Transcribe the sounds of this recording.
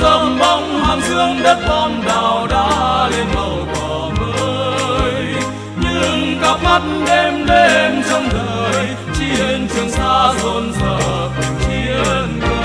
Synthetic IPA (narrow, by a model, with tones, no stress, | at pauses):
zə˧˩ŋ͡mɓa˧˩wŋ͡mhaː˨˩mzɨ˧əŋɗə˦˥t̚mɔ˧nɗaː˨˩wɗaː˧˥le˧nhə˨˩wkɔ˨˦ | məː˨˦j | ɲɨ˧ŋka˦˥p̚ma˦˥t̚ɗe˧mɗe˧nt͡ɕɔ˧wŋ͡mɗəː˨˩j | t͡ɕi˧le˧nt͡ɕɨ˨˩əŋt̪aː˧˥zo˧nzəː˨˩ | ki˧n˧